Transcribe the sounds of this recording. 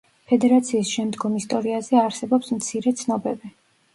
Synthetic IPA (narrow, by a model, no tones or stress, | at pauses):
pʰɛd̪ɛɾat̪sʰiːsʃɛmd̪ɡɔmist̪ʼɔɾiazɛaɾsɛbɔpsmt̪sʰiɾɛt̪sʰnɔbɛbi